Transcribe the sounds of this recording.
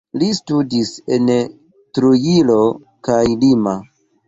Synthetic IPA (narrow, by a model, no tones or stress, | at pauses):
listudise̞n | tɾujilo̞ | kajlima